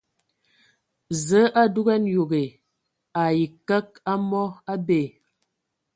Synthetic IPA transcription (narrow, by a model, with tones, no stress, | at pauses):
zə˨˦ʔa˦du˦ɣɛ˦njo˨ɣe˨ | a˨ji˨kə˦k̚a˦mɔ˦a˦be˨